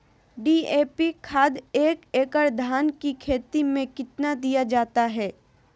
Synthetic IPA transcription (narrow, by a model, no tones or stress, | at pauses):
ɖiːeːpikʰaːd̪eːkeːkəɾd̪ʱaːnkikʰeːt̪imẽkɪt̪nad̪ijad͡ʒaːt̪aɦɛː